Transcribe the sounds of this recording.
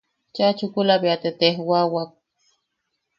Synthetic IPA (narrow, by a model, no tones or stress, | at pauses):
t͡ʃat͡ʃukulaβiat̪et̪ehwawak̚